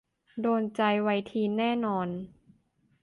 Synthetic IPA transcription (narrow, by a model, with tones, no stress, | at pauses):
doː˧nt͡ɕa˧jwa˧jt̪ʰiː˧nɛː˥˩nɔː˧n